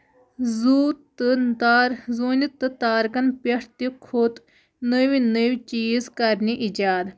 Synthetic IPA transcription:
zuːt̪ːɨnt̪aːɾzoːnit̪ːɨt̪aːɾkɐnpeʈʰt̪ikʰoːt̪ | nəʋinəʋit͡ʃiːzkɐɾniʔid͡ʒaːd̪

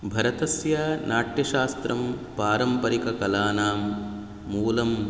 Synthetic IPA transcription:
bʱɐɾɐt̪ɐsjɐnaːʈjɐʃaːst̪ɾɐmpaːɾɐmpɐɾikɐkɐlaːnaːmː | uːlɐm

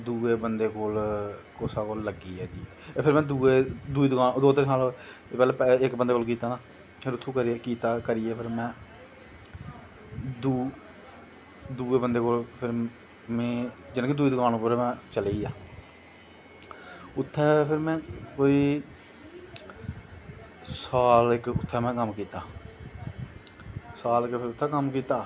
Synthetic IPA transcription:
d̪uːeːbənd̪eːkoːlkoːsaːkoːlːəɡiːɛːd͡ʒiː | eːpʰɪɾmɛ̃ːd̪uːeːd̪uiːd̪kaːd̪oːt̪ɪɾnaːlpɛːlɛːpɛɪkbənd̪eːkoːlk̬iːt̪aːnaː | pʰɪɾʊt̪ʰːũːkəɾieːkiːt̪aːkəɾieːpʰɪɾmɛ̃ː | d̪uː | d̪uːeːbənd̪eːkoːlpʰɪɾ | mẽːd͡ʒɪñːked̪ʊiːd̪ʊkaːnõːpʊɾeːmɛ̃ːt͡ʃəleːijaː | ʊt̪ʰːɛːpʰɪɾmɛ̃ːkoːiː | saːlɪkʊ̰t̪ʰːɛːmɛ̃ːkəmkiːt̪aː | saːlkpʰɪɾʊt̪ʰːɛːkəmkiːt̪aː

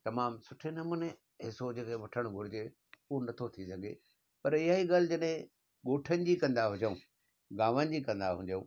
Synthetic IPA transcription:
t̪ɐmaːmsʊʈʰenɐmʊne | ɦɪsod͡ʑeːkʰeʋɐʈʰəɽ̃ɡʱʊɾɪd͡ʑe | uonɐt̪ʰot̪ʰisɐɡʱḛ | pɐɾɪɦaːɦiɡaːl̤ɪ̆d͡ʑɐɗɦẽ | ɠoːʈʰənɪ̆d͡ʑikɐ̃nd̪aɦʊd͡ʑəũː | ɡaːʋənɪ̆d͡ʑikɐ̃nd̪aɦũd͡ʑəṵ̃ː

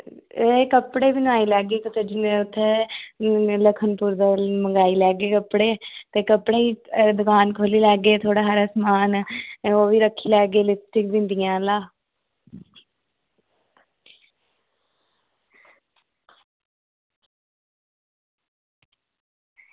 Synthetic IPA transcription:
ekəpɽeːbinaːiːlɛːɡeːt̪ot̪ːd͡ʒnʊt̪ʰːẽː | ləkʰənpuːɾd̪aːməŋɡaːiːlɛːɡeːkəpɽeːt̪eːkəpɽeːiːd̪ʊkaːnkʰoːliːlɛːɡːeːt̪ʰoːɽaːɦəɾəsmaːnoːʋiːɾəkʰːiːlɛːɡeːlɪsʈɪkbɪ̃nd̪ijãːlaː

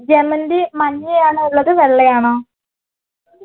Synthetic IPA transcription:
d͡ʑemːɐndimɐnːiejaːɳɨuɭːɐðɨʋeɭːejaːɳo

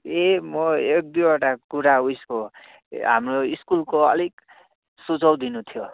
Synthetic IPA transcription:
emʌek̚d̪ijaʈakuɾaujsko | ɦa̰mroiskulkoʌ̰lik | sut͡sʌwd̪inut̪ʰijo

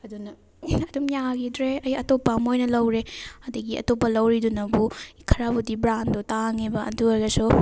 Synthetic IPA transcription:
ɐdunɐ | ɐdumjaɡidɾeɐjɐtopːɐmojnɐlɐwɾeɐdɐɡiɐ̰topːɐlɐwɾidunɐbukʰɐɾabudibɾandotaŋebɐɐ̰duaɡɐsu

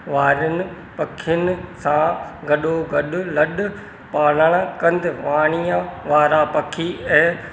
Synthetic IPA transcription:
ʋaːɾʊnɪ̆ | pɐkʰɪjʊnɪsãɡɐɗoɡɐɗʊlɐɗʊ | paːl̤əɽ̃kɐ̃nd̪ɪʋaːɽ̃ijãʋaːɾapɐkʰiɛ̃ː

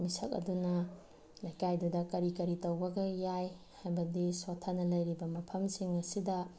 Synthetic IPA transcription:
misɐ̰k̚ɐ̰dunɐ | lɐjkajdudɐkɐɾikɐɾitɐwbɐɡɐjaj | hajbɐdisotʰanɐlɐjɾibɐmɐpʰɐmsiŋɐsidɐ

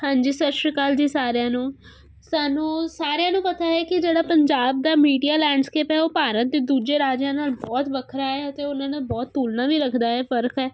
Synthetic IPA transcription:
hãːɲd͡ʒiːsəʃəkaːld͡ʒiːsaːɾejãːnũː | saːnũːsaːɾeãːnũːpət̪aːɦɛːkɪd͡ʒeːɽaːpəɲd͡ʒaːb̚d̪aːmiːɖijaːlɛ̃ːɖskeːpɦɛːoːpaːɾət̪̚d̪eːd̪uːd͡ʒeːɾaːd͡ʒãːnaːlbɔːt̪ʋəkʰɾaːɦɛːət̪eːʊnãːnẽːbɔːt̪ːuːlnãːʋiːɾəkʰd̪aːɦɛːfəɾkʰɛː

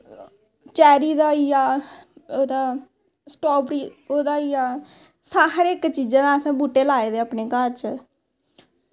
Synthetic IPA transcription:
t͡ʃɛːɾiːd̪aːijaːoːd̪aː | sʈɔːbɾiːoːd̪aːijaː | saːɦəɾɪkt͡ʃiːd͡ʒãːd̪aːəsãːbuːʈːeːlaːeːd̪eːapneːkəɾt͡ʃ

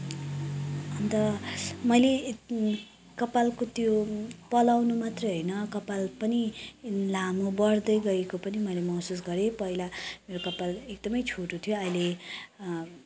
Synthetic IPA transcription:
ʌnt̪ʌmʌjle | kʌpalkot̪jopʌlawnumat̪rʌjɦʌjnʌkʌpalpʌnilamubʌrd̪ʌjɡʌekopʌnimʌjlemʌɦsus̬ɡʌɾepʌɦilameɾokʌpalek̚d̪ʌmʌjt͡sʰoʈot̪ʰijoʌjle

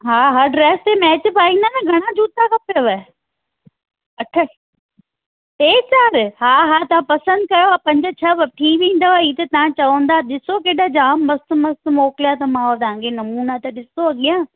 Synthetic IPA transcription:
ɦaːɦɐɾɖɾɛːst̪emɛːt͡ɕpaːĩnd̪anɐ̃ɡʱɐɽ̃ãd͡ʑuːt̪akʰɐpjoʋe | ɐʈʰə | eːt͡ɕaːɾɦaːɦaːt̪ɐʋãpɐsə̃nd̪̚kɐjoaːpɐ̃ɲd͡ʑʊt͡ɕʰɐʋɐʈʰiːʋĩːnd̪oaːiːt̪ɐt̪ɐʋãt͡ɕɐʋə̃nd̪aːɗɪsokeːɗad͡ʑaːmʋɐst̪mɐst̪mɔːkɪlijat̪ɐmãːot̪ɐɦãːkʰenɐmuːnat̪ɐɗɪsoɐɠijãː

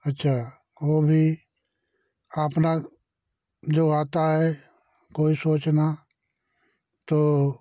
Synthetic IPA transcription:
ɐtːʃʰaː | ʋoːbʱi | aːpna | d͡ʒoːaːt̪aɦɛ | koːisoːt͡ʃna | t̪oː

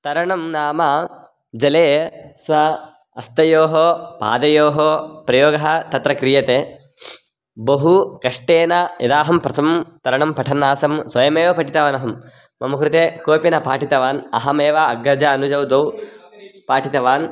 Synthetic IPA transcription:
t̪ɐɾɐɳɐmnaːmɐ | d͡ʒɐleːsʋɐ | ɐst̪ɐjoːɦopa̰ːd̪ɐjoːɦopɾɐjoːɡɐɦɐt̪ɐt̪ɾɐkɾijɐt̪eː | bɐɦukɐʂʈeːnɐjɐ̰d̪aːɦɐmpɾɐt̪ʰɐmt̪ɐɾɐɳɐmpɐʈʰɐnːaːsɐmsʋɐjɐmeːʋɐpɐʈit̪ɐʋaːnɐɦɐmː | ɐmɐkɾut̪ekoːpinɐpaːʈit̪ɐʋaːnɐ̰ɦɐmeːʋɐɐɡɾɐd͡ʒɐːnud͡ʒɐwd̪ɐw | paːʈʰit̪ɐʋaːn

